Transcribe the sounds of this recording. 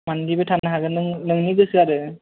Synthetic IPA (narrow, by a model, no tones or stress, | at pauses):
mandibɯtʰanaɦaɡɯnɯŋnɯŋniɡɯsɯaɾɯ